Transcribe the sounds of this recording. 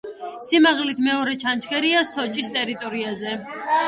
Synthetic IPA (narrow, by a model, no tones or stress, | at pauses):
simaʁlit̪ʰmɛɔɾɛt͡ʃʰant͡ʃʰkʰɛɾiasɔt͡ʃʼist̪ʼɛɾit̪ʼɔɾiazɛ